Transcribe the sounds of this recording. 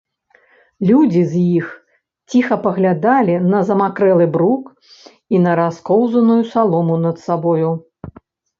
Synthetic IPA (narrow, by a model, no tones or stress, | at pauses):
lʲud͡zʲizʲjix | t͡sʲixɐpɐɣlʲad̪alʲinɐzɐmakɾɛlˠɨbɾuk | inɐɾaskɔwzɐnujusalˠɔmunɐt̪sabɔju